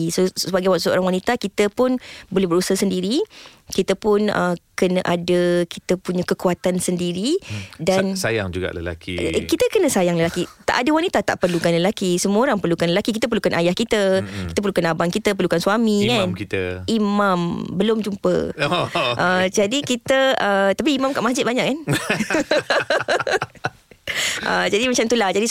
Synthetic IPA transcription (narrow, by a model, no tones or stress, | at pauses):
sosəbaɡajwausəo̰ɾaŋwanit̪akit̪əpʊnbolɛhbəɾusahsəndiɾi | kit̪əpʊnə̰kənəʔadəkit̪əpuɲãkəkuat̪ansəndiɾidansaja̰ŋd͡ʒuɡa̰ʔlə̰la̰kḭkit̪əkənəsajaŋləlakit̪a̰ʔadəwanit̪at̪a̰ʔpərlukanləlakisəmuoɾaŋpərlukanləlakikit̪əp̬əɾlukanʔajahkit̪əkit̪əpərlukanabaŋkit̪əpərlukansuamĩkankit̪ə̰imãmbəlʊmd͡ʒumpə̰ | ʔəd͡ʒadikit̪əət̪apiːmãmkaʔmasd͡ʒɪt̪̚baɲaʔkːan | ʔəd͡ʒadimat͡ʃamt̪ulahd͡ʒadi